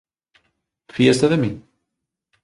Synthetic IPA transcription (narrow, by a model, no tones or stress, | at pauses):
fijæst̪æðæmin